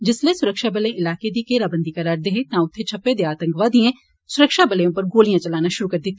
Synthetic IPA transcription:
d͡ʒɪslesʊɾəkʃabɐlẽɪlaːked̪ikeːɾabə̃nd̪ʱikɐɾaːɾd̪eɦẽnãʊt̪ʰːet͡ʃʰɐpːed̪eaːt̪ə̃ŋkʋad̪iẽ | sʊɾəkʃabɐləjõpɐɾɡoːlijãt͡ʃɐlaːnaʃʊɾukɐɾd̪ɪt̪ː

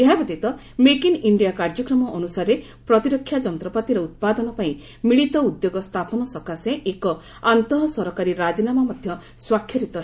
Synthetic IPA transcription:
eɦabet̪it̪ɔ | mekiniɳɖijakaɾd͡ʒɔkɾɔmɔʔɔnusaɾe | pɾɔt̪iɾɔkʰːjad͡ʒɔnt̪ɾɔpat̪iɾɔut̪̚pad̪ɔnɔpaĩ | miɭit̪ɔud̪joɡɔst̪ʰapɔnɔsɔkaseʔekɔ | ant̪ɔɦɔsɔɾɔkaɾiɾad͡ʒinamamɔd̪ʱjɔ | swakʰjɔɾit̪ɔ

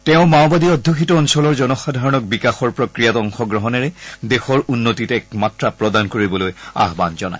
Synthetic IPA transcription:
tɛʊ̃maʊbadiɔdʱːokʰitɔːnsɔlɔɹzɔnɔxadʱaɹɔnɔk̚bikaxɔɹpɹokɹijatɔŋxɔɡɹɔɦɔnɛɹɛdexɔɹunːotitɛkmatɹapɹɔdankoɹibɔloja̰ɦbanzɔna̰j

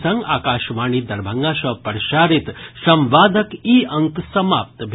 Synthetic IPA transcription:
sɐŋɡaːkaːʃʋaːɳiːd̪ɐɾbʱɐŋɡaːʃɐpɐɾʃaːɾit̪sɐ̃mʋaːd̪ʱɐkiːɐŋksɐma̰ːp̚t̪bʱ

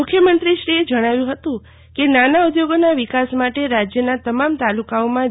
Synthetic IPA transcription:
ukʰjəmənt̪ɾiʃɾied͡ʒəɽ̃aʋjũɦət̪ũ | kenanaud̪joɡonaʋikasmaʈeɾad͡ʒjənat̪əmamt̪alukaomã

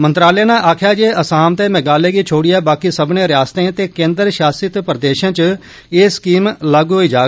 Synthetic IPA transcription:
mənt̪ɾaːleːnãːʔaːkʰjaːd͡ʒeːʔəsaːmt̪eːmɛɡaːleːɡiːt͡ʃʰoːɽɪjaːbaːkiːsəbnẽːɾɪjaːst̪ẽːt̪eːkẽːnd̪əɾʃaːsɪt̪pɾəd̪eːʃãːt͡ʃ | eːskiːmlaːɡɦoiːd͡ʒaː

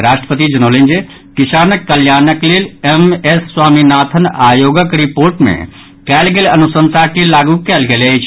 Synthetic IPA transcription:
ɾaːʃʈɾəpət̪id͡ʒɐnoːlẽːnd͡ʒe | kɪsaːnəkːəljaːnəkleːlemesswaːminaːt̪ʰənaːjoːɡəkɾipoːɾʈmḛ̃ | kɛːlɡelɐnʊsə̃nt̪ʰakilaːɡukɛːlɡelet͡ʃʰ

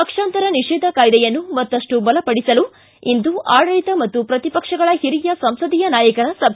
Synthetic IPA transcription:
ɐkʂaːnt̪ɐɾɐniʂɛːd̪ʱɐkaːjd̪ɛjɐnːumɐt̪ːɐʂʈubɐlɐpɐɽisɐlu | ind̪uaːɽɐɭit̪ɐmɐt̪ːupɾɐt̪ipɐkʂɐɡɐɭɐhiɾijɐsɐmsɐd̪ijɐnaːjɐkɐɾɐsɐb

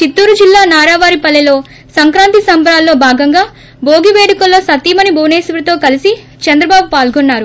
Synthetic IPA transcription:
t͡ʃit̪ːuːɾud͡ʒilːaːnaːɾaːʋaːɾipɐlːelo̞ː | sɐŋkɾaːnt̪isɐmbɐɾaːlːo̞ːbʱaːɡɐŋɡaː | bo̞ːɡiʋeːɽikɐlːo̞ːsɐt̪iːmɐnibʱɐwneːsiʋɾɐt̪o̞ːkɐlisi | t͡ʃɐnd̪ɾɐbaːbupaːlɡonːaːɾu

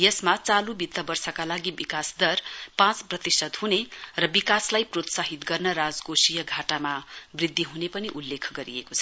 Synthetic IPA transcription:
jʌsmat͡salubit̪ːʌbʌrsakalaɡibikasd̪ʌrpãt͡sprʌt̪isʌd̪ɦunerʌbikaslajprot̪saɦit̪ɡʌrnʌɾad͡zɡosijʌɡʱaʈamabrid̪ʱːiɦunepʌniʔulːekʰɡʌɾiekot͡sʰʌ

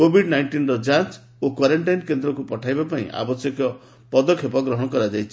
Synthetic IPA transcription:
kobʱiɖnajɳʈinɾɔd͡ʒant͡ʃ | okwaɾeɳʈajnkend̪ɾɔkupɔʈʰajbapaḭ̃ʔa̰bɔsjekɔ | pɔd̪ɔkʰepɔɡɾɔɦɔɽ̃ɔkɔɾad͡ʒajt͡ʃʰi̥

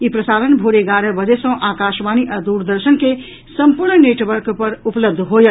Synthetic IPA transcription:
ipɾəsaɾənbʱoɾeɡaɾəbəd͡ʒesə̃ʔakaʃmaniʔad̪uɾd̪əɾsənke | səmpuɾɳneʈʋəɾkpəɾupləb̚d̪ʱɦojə

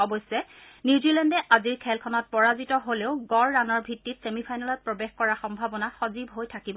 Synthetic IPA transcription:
ɔbɔjsɛ | niwzilɛndɛʔaziɹkʰɛlkʰɔnɔt̚pɔɹazitɔɦoleʊɡɔɹːanɔɹbʱitːitsemipʰajnalɔt̚pɹɔbexkɔɹaxɔmbʱabɔnaxɔzibɦojtʰakibɔ

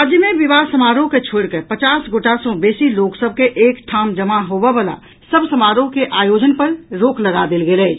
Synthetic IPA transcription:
ad͡ʒjəmẽʋibasəmaɾõket͡ʃʰoɽkepət͡ʃaːsɡoʈasɔ̃beːsiloksəb̚ʱkeʔeːkʈʰaːmd͡ʒəmaɦobebala̰ | səbsəmaɾõkeʔaːjod͡ʒənpəɾɾoːkʰləɡad̪elɡelɛ

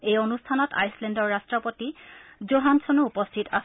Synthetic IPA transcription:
ejonustʰanɔtʰa̰jslɛndɔɹːastɹɔpotizoɦansʰɔnuupɔstʰitas

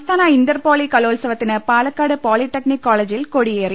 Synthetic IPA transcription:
st̪aːnaɪnɖɐɾpoːlikɐloːlsɐʋɐt̪ːɪnɐpaːlɐkːaːɽɯpaːlɪʈːɐknɪkːaːlɐd͡ʒɪlkoɽijeːɾɪ

